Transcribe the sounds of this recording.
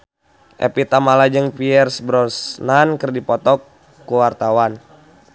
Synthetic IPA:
ʔɛ̰pit̪amalad͡ʒəŋpiɛrsbɾɔsnankərdipɔt̪ɔkː | uwart̪awan

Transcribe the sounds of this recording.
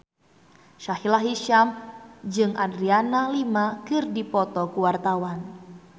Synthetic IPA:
ʃahilaɦiʃamd͡ʒɨŋʔadɾianalimakɨrdipɔt̪ɔkuwart̪awan

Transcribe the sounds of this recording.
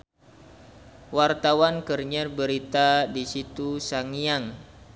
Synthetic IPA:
wart̪awankərɲərbəɾit̪adisit̪usaŋiaŋ

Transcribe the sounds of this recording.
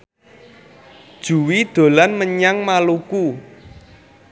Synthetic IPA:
d̥ʒ̥ṳwid̪̥o̤lanməɲaŋmaluku

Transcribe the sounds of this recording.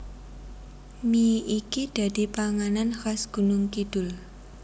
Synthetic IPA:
miʔikid̪̥a̤d̪̥i̤paŋananxasɡ̥ṳnʊŋkid̥ʊ̤l

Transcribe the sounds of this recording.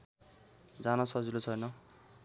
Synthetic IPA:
d͡zanʌsʌd͡zilot͡sʰʌjnʌ

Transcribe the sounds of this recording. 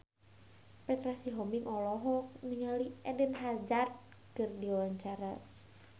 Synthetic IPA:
pɛt̪ɾasiɦɔmiŋʔɔlɔɦɔniŋaliɛdɛnɦad͡ʒat̪̚ | kɨrdiwaɲt͡ʃaɾa

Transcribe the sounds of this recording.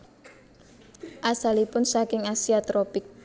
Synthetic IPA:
ʔasalipʊnsakɪŋasiat̪ɾɔpɪk̚

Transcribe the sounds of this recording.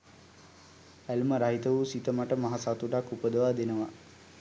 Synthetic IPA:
ælməɾaɦit̪əʋusit̪əmaʈəmaɦasat̪uɖakːupəd̪əʋad̪enəʋa

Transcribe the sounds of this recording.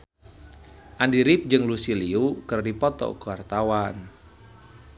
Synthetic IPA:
ʔandiɾɪp̚d͡ʒɨŋlusiliukɨrdipɔt̪ɔ̰kuwart̪awan

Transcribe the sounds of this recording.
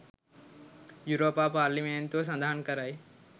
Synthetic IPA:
juɾoːpaːpaːɾlimeɳt̪oːs̬ɐ̃nd̪aɦənkɐɾaːj

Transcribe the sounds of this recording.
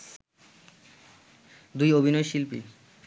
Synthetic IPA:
d̪ujobʱinoeʃilpḭ

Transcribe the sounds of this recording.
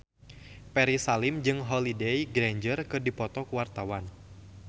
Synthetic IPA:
pɛɾisalimd͡ʒɨŋɦɔlidɛjɡɾɛɲd͡ʒərkɨrdipɔt̪ɔkuwart̪awan

